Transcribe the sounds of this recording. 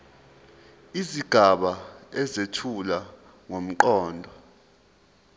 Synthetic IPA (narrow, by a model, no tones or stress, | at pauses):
iziɡ̥ʱaɓaɛzetʰula | ŋom̩ǃɔːndʱɔ